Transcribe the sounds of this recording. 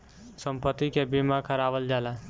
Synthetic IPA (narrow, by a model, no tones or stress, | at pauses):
səmpət̪ːikebimakʰəɾabəld͡ʒala